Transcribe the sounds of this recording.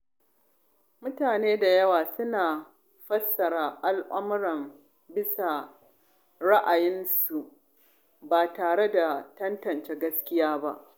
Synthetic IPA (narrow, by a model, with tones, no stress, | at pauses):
mʊ˦taː˨neː˦da˨jɐ˦waː˨sʊ˦naː˨ | ɸɐ˦sːɐ˨ɾa˨ʔa˦lʔʊ˦m˦ɽɐ˨m | bɪ˦sa˨ | ɽa˦ʔa˨jɪ˦nsu˨ʔ | baː˨taː˨ɽe˦da˨tɐ˦ntɐ˨nt͡ʃeː˦ɡɐ˦skʲɪ˦jaː˦ba˦ʔ